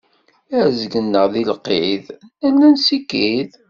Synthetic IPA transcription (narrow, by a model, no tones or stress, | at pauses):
æʕzɡənːəʁðilqːiðænːænsikːið